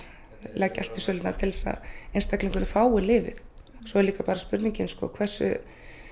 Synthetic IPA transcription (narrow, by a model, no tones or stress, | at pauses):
lɛcal̥t̪ɪ̥sœːlɪt̪nat̪ʰɪlɛsa̰ðejnst̪akliŋkʏɾʏfaːwɪlɪːvɪ̰θ | sɔɛɾliːkapaːɾaspʏɾt̪niɲcɪnskɔ̰kʰvɛr̥sʏ̰